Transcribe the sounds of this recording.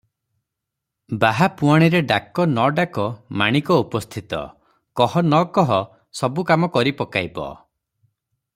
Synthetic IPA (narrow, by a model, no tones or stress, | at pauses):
baɦapuaɽ̃iɾeɖakɔnɔɖakɔmaɽ̃ikɔupɔst̪ʰit̪ɔ̰ | kɔhɔnɔkɔɦɔ | sɔbukamɔkɔɾipɔkajbɔ̰